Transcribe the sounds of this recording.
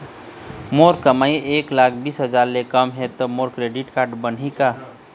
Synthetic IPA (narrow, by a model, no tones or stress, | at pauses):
moɾkəmajeklakʰbisɦəd͡ʒaɾlekəmɦet̪ɔmoɾkɾeɖiʈkaɾɖbənɦika